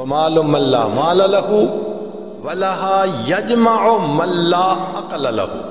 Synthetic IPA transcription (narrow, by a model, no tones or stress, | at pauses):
wɐmaːlʊmanla̰ːmaːlalaɦʊ | wɐlaɦaːjɐd͡ʒmaʕʊmanlaːʔɐqalala̰hʊ̰